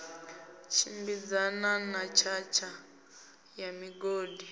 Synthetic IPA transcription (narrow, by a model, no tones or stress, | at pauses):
t͡ʃʰimbid͡zananat͡ʃʰat͡ʃʰa | jamiɡoːdʱi